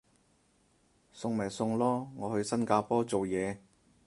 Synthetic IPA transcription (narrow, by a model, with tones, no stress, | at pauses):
sʊ˧ŋmaː˨˩jsʊ˧ŋlɔː˥ŋɔː˨˧hɵ˧ɥsɐ˥nkaː˧pɔː˥t͡so˨wjɛː˨˧